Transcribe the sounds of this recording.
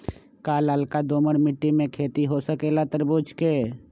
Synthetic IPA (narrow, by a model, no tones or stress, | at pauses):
kaːlalkad̪oːməɽmɪʈːimẽkʰeːt̪iɦosəkelat̪əɾboːt͡ʃkeː